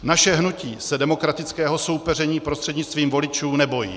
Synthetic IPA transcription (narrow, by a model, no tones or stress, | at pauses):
naʃɛɦnuciːsɛdɛmo̞kɾat̪ɪt͡skɛːɦo̞so̞wpɛr̝ɛɲiːpɾost̪r̥ɛdɲɪt͡st̪viːmvo̞lɪt͡ʃuːnɛbo̞jḭː